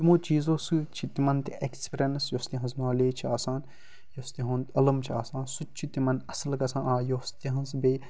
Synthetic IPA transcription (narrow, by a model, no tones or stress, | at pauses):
t̪imõːt͡ʃiːzoːst͡ʃʰit̪imɐnt̪iʔekspɾʲɐnsjost̪iɦɐ̃znaːleːt͡ʃʰiaːsaːn | jost̪iɦõːnt̪ɐlɐmt͡ʃʰiaːsãːnsut͡ʃʰit̪imɐnɐsɐlɡɐsãːʔaːjost̪iɦɐ̃nzbeː